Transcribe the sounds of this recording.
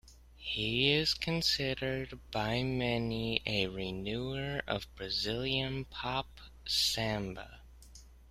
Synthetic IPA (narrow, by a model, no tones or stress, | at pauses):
hiɪz̥kʰɨ̃nsɪɾə˞d̚b̥aɪmɛniɨɹinuə˞ʔʌ̰vbɹɨzɪlˠjɨ̃npʰɑp | sæ̃mbə̰